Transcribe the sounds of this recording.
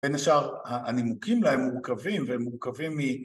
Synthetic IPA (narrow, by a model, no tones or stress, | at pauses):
benaʃaʁhaanimukimlaemːuʁkavimveemːuʁkavimːi